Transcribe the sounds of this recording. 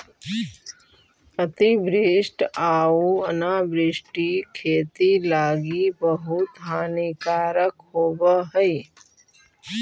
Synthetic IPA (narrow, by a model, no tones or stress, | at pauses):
ət̪ibɾɪsʈaːuənaːbɾɪsʈikʰeːt̪ilaːɡibəɦut̪ɦaːnikaːɾəkɦoːbəɦəj